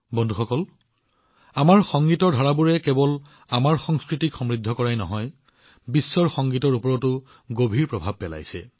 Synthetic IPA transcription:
bɔndʱuxɔkɔl | amaɹxɔŋɡitɔɹdʱaɹabuɹɛkɛbɔl | amaɹxɔŋskɹitikxɔmɹidʱːɔkɔɹajnɔ̰ɦɔj | bisːɔɹxɔŋɡitɔɹupɔɹɔtʊ | ɡobʱiɹpɹɔbʱab̚pːɛla̰jsɛ̰

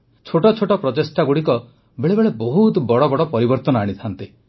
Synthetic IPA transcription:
t͡ʃʰoʈɔt͡ʃʰoʈɔpɾɔt̪esʈaɡuɽikɔ | beɭebeɭebɔɦut̪bɔɽɔbɔɽɔpɔɾibɔɾt̪ɔnɔaɽ̃it̪ʰant̪i

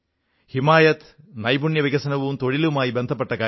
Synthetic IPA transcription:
himaːjɐt̪ | nɐjbuɳjɐʋiɡɐsɐnɐʋunt̪oɭilumaːjibend̪ʱɐpːɐʈːɐkaː

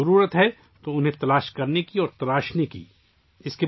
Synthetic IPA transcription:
ɐɾuːɾət̪ɦɛ | t̪oʊnɦẽt̪ɐlaːʃkɐɾnekiɔːɾt̪ɐlaːʃnekḭː | ɪske

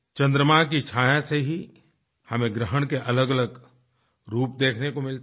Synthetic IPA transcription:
t͡ʃɐ̃nd̪ɾəmak̬it͡ʃʰaːjãseɦi | hɐmẽɡɾəɦəɽ̃keʔɐləɡələɡ | ɾuːpd̪eːkʰnekomɪlt̪

